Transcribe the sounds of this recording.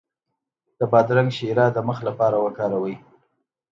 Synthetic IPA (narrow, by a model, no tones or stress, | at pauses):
d̪̥əbɑd̪ɾaŋɡʃeɾɑd̪əməxlapɑɾawəkɑɾawəj